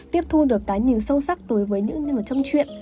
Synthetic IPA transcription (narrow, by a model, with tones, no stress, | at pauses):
t̪i˦˥əp̚t̪ʰu˧ɗɨ˨˩əkːaː˨˦jɲi˨˩nsə˧wsa˦˥k̚ɗo˨˦jvəː˨˦jɲɨ̰˧˥ŋɲ˨˩t͡ɕɔ˧wŋ͡mt͡ɕwḭ˧˨ən